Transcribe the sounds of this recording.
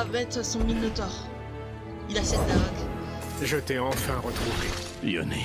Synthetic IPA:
abɛt̪sɔ̃minot̪ɔʁ | ilasɛt̪ːaɔd̪ | ʒət̪ɛɑ̃fɛ̃ʁət̪χuve | jɔ̰ne

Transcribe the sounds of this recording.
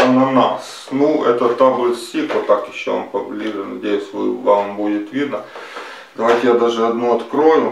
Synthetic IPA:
ɐnɐna̰s | nuɛt̪ət̪abɨlsʲikʋot̪ːakjɪɕːova̰mpɐblʲiʐɨnɐdʲejʊsʲʋɨʋambudʲɪt̪ʋʲid̪nə | d̪ɐʋajtʲɪjad̪aʐɨɐd̪noɐt̪kɾo̞jɪm

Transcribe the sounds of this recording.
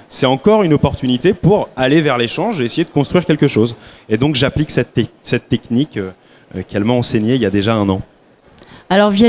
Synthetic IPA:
sɛt̪ɑ̃kɔʁynɔpɔʁt̪ynit̪epuʁalevɛʁleʃɑ̃ʒeesejed̪ə̥kɔ̃st̪χɥiʁkʲɛlkəʃozed̪ɔ̃kʒapliksɛt̪sɛt̪ːɛknikø | kɛlmaɑ̃seɲeiljad̪eʒaɛ̃nɑ̃ | alɔʁv

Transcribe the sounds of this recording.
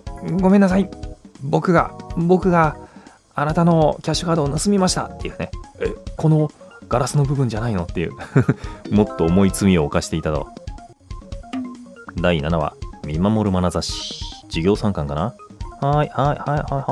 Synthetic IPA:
ɡo̞me̞nːasaibo̞kɯ̟ɡa̰bo̞kɯ̟ɡa | anat̪ano̞kʲaɕɨkaːd̪o̞ːnasɨmʲimaɕi̥t̪at̪ːe̞jɯ̟ne̞ekʰo̞no̞ɡ̥aɾasɨno̞bɯ̟bɯ̟̃ɲ̟d͡ʑanaino̞t̪ːe̞jɯ̰ | mo̞t̪ːo̞ːmo̞it͡sɨmʲio̞ːkaɕi̥t̪e̞it̪at̪o̞̰ | d̪ainanaβa̰mʲimamo̞ɾɯ̟manazaɕi̥d͡ʑiɡʲo̞ːsãŋkãŋkanahaihaihaihaha

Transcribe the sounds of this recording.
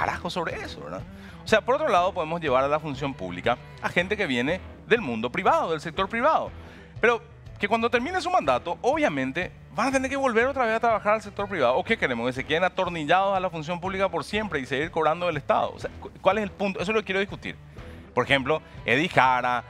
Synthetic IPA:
ka̰ɾa̰xoso̞βɾeeso̰βḛɾða̰ | oseapoɾo̞t̪ɾo̞lað̞o̞po̞ðemozʝe̞βaɾalafuns̬jo̞mpṵβlḭka | axe̞nt̪e̞keβje̞ne̞ | ðe̞lmũnd̪o̞pɾiβaðoðels̬e̞k̚t̪o̞ɾpɾiβaðo̞̰ | pe̞ɾo̞ | kekwand̪ot̪e̞ɾmĩnesumãnd̪at̪oʔoβjamẽ̞nt̪e̞ | βaat̪ene̞ɾkeβo̞lβe̞ɾot̪ɾaβesat̪ɾaβaxaɾals̬ek̚t̪o̞ɾpɾiβaðooke̞ke̞ɾemoskes̬eke̞ðenat̪oɾniʎað̞osalafuns̬jo̞mpuβlikapo̞ɾsje̞mpɾe̞iseɣiɾko̞βɾand̪oelest̪a̰ðo̰o̰seakwaleselpunt̪oe̞s̬olokekjeoðihkut̪ḭɾ | poɾexe̞mplo̞eðixaɾa

